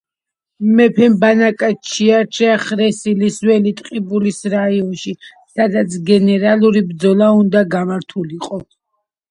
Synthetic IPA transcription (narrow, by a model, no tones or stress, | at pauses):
mɛpʰɛmbanakʼat͡ʃʰiaɾt͡ʃʰɛχɾɛsiliswɛlit̪ʼqʼibulisɾaiɔnʃi | sad̪at̪sʰɡɛnɛɾalˠuɾibd̪zɔlˠaund̪aɡamaɾt̪ʰuliqʼɔ